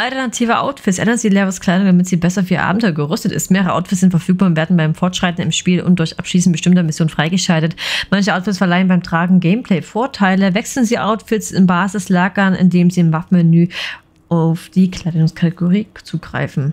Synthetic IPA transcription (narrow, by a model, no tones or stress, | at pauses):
ʔaltɛɐnatʰiːvəʔa̰ʊtfɪtsʔɛ̰ndɐnzilɛːɐvəskl̥aɪdʊŋdamɪtz̥iːbɛsɐʊfʔiːɐ̰ʔa̰ːbm̩tʰɔʏɐɡəʁʏstətɪ̰stmeːʁəʁəʔaʊtfɪtsz̥ɪntfɛɐfyːk̚b̥aːʊnveɐdn̩baɪmfɔɐtʃʁ̥aɪtn̩ɪmʃpiːlʔʊ̰nt̚d̥ʊɐçʔapʃliːsn̩tb̥əʃtɪmtɐmɪsjoːnfʁ̥aɪɡəʃaltətmançəʔaʊtfɪtsfɛɐlaɪənbaɪmtʁ̥aːɡŋ̩ɡɛɪmpʰl̥ɛɪfoːɐtʰaɪləvɛksl̩nziːʔa̰ʊtfɪtsɪnbaːzɪslaːɡɐnɪ̰ndeːmziːɪmafmɛnyː | ʔaʊfd̥iːkʰl̥aɪdʊŋskʰatɪɡoʁiːt͡suːɡ̥ʁa̰ɪfn̩